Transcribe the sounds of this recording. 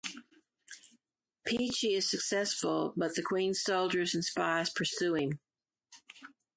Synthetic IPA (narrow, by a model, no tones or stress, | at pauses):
pʰit͡ʃiɪz̥sɨksɛsfəl̩ˠbʌt̪̚ðɨkʰw̥ĩnz̥soʊlˠd͡ʒə˞ɨzɨ̃n̩spaɪz̥pʰə˞sʉɪ̃ŋ